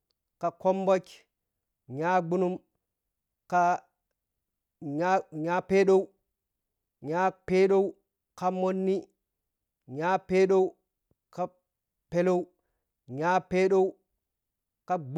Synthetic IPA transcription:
ka˨ko˦mbo˦t͡ʃ | ɲaː˦ɡ͡bu˦nu˦m | ka | ɲaɲa˦pe˦ɗo˦w | ɲa˦pe˦ɗo˦w | ka˨mo˦nːi˦ | ɲaː˦pe˦ɗo˦w | ka˦ | pe˦lo˦w | ɲaː˦peː˦ɗo˦w | ka˨ɡ͡b

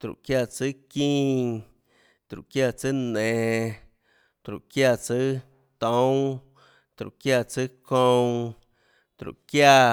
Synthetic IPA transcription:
t̪ɾṵ˨ʔkja˧t͡sɨ˦kĩː˦ | t̪ɾṵ˨ʔkja˦˧t͡sɨ˦nẽ˨ | t̪ɾṵ˨ʔkja˧t͡sɨ˦ | t̪õ˨˦w̃ | t̪ɾṵ˨ʔkja˧˨t͡sɨ˦kõ˦˧w̃ | t̪ɾṵ˨ʔkja˧

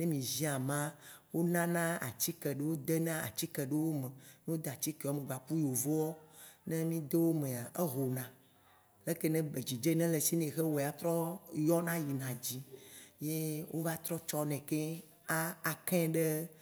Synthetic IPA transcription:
nẽ˦mĩ˨zĩ˦a˨mã˦wo˦nã˦nã˦a̰˨t͡ɕi˦kɛ˨ɖe˦wo˦d̪e˦nã˦a̰˨t͡ɕi˦kɛ˨ɖe˦wo˦mẽ˨ne˦wo˦d̪e˨a˨t͡ɕi˦ke˨ɔ˦mẽ˨ɡ͡ba˨ku˦jo˨vo˦wɔ˦nɛ̃˦mĩ˦d̪e˦wo˦mẽ˨a˨ʔe˦ɦo˨nã˨ | le˦ke˦nɛ̃˦be˨d͡ʑi˨d͡ʒe˦nɛ̃˦le˨si˦nẽ˨xe˦we˨a˨t̪ɾɔ˦jɔ˦nã˦ji˨nã˨d͡ʑi˦je˦wʔo˦va˦t̪ɾɔ˦t͡ʃɔ˦nɛ̃˨ke˦ | a˦a˨kɛ̃˦ɖe˦

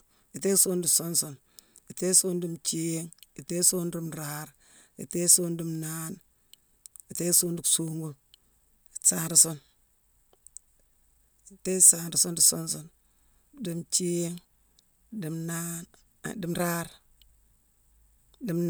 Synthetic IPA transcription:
i˨te˦su˦ndu˨so˦nso˨n | i˨te˦su˦ndi˨mt͡ʃi˦ŋi˨te˦so˦nɾi˦mɾa˦ɾ | ḭ˨te˦so˦ndi˨mna˦n | i˨te˦su˦ndi˨ksu˦ŋɡu˦ | i̥˨sa˦nɾi˨so˦n | i˨te˦sa˨nɾi˨so˦ndi˨so˦nso˦n | di˨mt͡ʃi˦ŋ | di˨mna˦n˨ | di˨˦mɾa˦ɾ | di˨mn

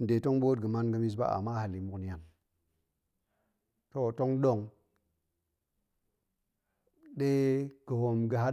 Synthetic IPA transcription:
n˨de˨to˦ŋɓo˦dɡə˨ma˦nɡə˦mi˦s̬ba̰˦a̰˨ma˦ha˨li˨mu˦kni˦ja˨n | to˨to˦ŋɗo˦˨ŋ | ɗe˦kə˨ho˨mɡə˨ɦa˦

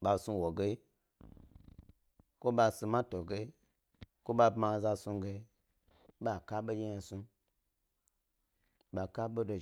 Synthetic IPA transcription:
ɓa˧su˧wo˨ɡe˦i˦ | ko˦ɓa˧su˧mã˦to˨ɡe˦i˦ | ko˦ɓa˧bma˧˨za˧su˧ɡe˧i˦ | ɓa˨ka˦ɓo˦je˦ja˧su˧ | ɓa˧ka˦ɓo˦do˧

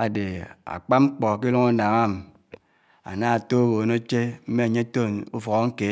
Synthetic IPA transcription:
a˨de˨a̰˨k͡pa˦ŋ͡m̩˦k͡pɔ˨k̬i˦lu˦ŋu˦na˨ŋa˦m˨ | a̰˨na˦a˨to˦ɣo˨no˦t͡ʃe˦m̩˦me˦a˨ɲe˦to˦˨nu˦fɔ˨ɣo˨˦ŋ̩˦ke˨˦

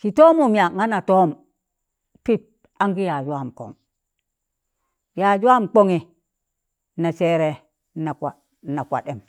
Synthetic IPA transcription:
si˨to˦mu˨mi˨a˨ŋa˦na˨toː˦m | pi˦p̚ | a˦ŋɡi˦ja˨d͡ʒu˨˦a˦˨mko̰˨ŋ | ja˨d͡ʒu˦a˦mk͡po˦ŋi˨ | na˨se˦ɾe˦ | na˨kʷa˨ | na˨kʷa̰˨ɗe˨m

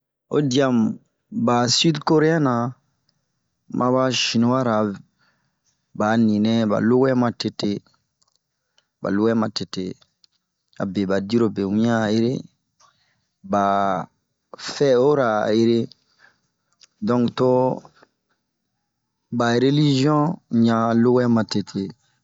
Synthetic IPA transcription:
o̰˦di˨a˨m | ba˨sy˦dko˦ɾe˦a˦na˨ | mʔã˦βa˦ʃi˨no˦wa˦ɾa˨ | ba˨˦nĩ˨nɛ˦ba̰˨lo˦ɡɛ˦mã˨te˨te˦ | ba̰˨lo˦ɡɛ˦mã˨te˨te˨ | a̰˨be˨ba˨di˦ɾo˨be˨wũ˦a˦˨je˦ɾe˦ | ba˨ | fɛ˦o˦ɾa˨je˦ɾe˦ | dɔ̃˦ŋkto˦ | ba˨ɾe˦li˦ʒi˦ɔ̃˦ɲã˨lo˦wɛ˦mã˨te˨tʰe˨

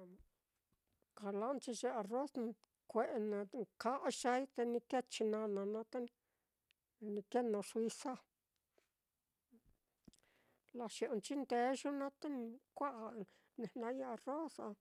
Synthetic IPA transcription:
ka˨la˦nt͡ʃi˧ʒe˧a˧ro˦s | kʷe˨ʔnã˧ŋka˦ʔʃa˧˦jt̪e˧nĩ˧ke˦t͡ʃi˧nã˧nã˧nã˧t̪a˦n˧ | nĩ˧ke˦nõ˧ʂwi˧sa˦ | la˧ʃi˧ʔo˧nt͡ʃi˦nd̪e˧˦ʒu˦nã˦t̪e˦nĩ˧kʷa˦ʔ | nẽ˧˨nã˧ɲ˦a˧ro˦sa˧

